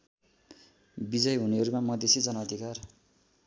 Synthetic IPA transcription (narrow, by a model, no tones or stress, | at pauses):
bid͡zʌjɦuniɦʌɾumamʌd̪esid͡zʌnʌːd̪ʱikar